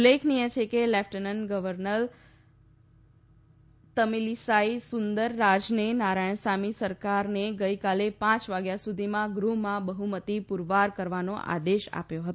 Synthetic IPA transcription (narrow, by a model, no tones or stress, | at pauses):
ulekʰnijə̃t͡ʃʰekelɛfʈənənɡəʋəɾnəɾ | t̪əmilisaisʊnd̪əɾːad͡ʒnenaɾaɳ̃samisəɾkaɾneɡəjkalepãt͡ʃʋaɡjasud̪ʱimãɡɾumãbəɦumət̪ipuɾʋaɾkəɾʋanoʔa̰d̪eʃa̰pjoɦət̪o